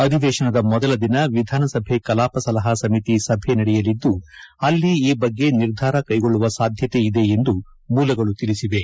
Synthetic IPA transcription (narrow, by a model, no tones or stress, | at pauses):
ɐd̪ʱiʋɛːʃɐnɐd̪ɐmɔd̪ɐlɐd̪inɐʋid̪ʱaːnɐsɐbʱe̞kɐlaːpɐsɐlɐɦɐsɐmit̪isɐbʱe̞nɐɽɛjɐlid̪ːuɐlːiiːbɐɡːe̞niɾd̪ʱaːɾɐkɐjɡoɭːuʋɐsaːd̪ʱjɐt̪e̞id̪e̞end̪u | muːlɐɡɐɭut̪ilisiʋe̞